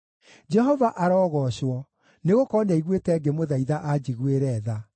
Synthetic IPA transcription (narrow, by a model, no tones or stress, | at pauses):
d͡ʒɛɦɔvaʔaɾɔːɣɔɕwɔ | neɣokɔnɛiɣwetɛɡemoðaiðaʔad͡ʑiɣweɾɛða